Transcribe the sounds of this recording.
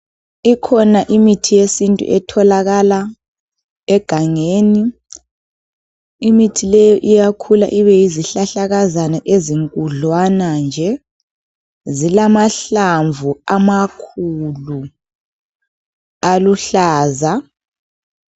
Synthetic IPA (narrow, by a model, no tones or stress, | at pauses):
ikʰɔnaʔimitʰijesintʼṵʔɛtʰɔlaɣala | ɛɡ̥ʱaŋeːni | imitʰilɛjɔʔijakʰula̰ʔiβɛjiziɬaɬaɣazanaʔeziŋkʼuɮwanand͡ʒʱɛ | zilamaɬaɱvuamakʰulu | aluɬaːza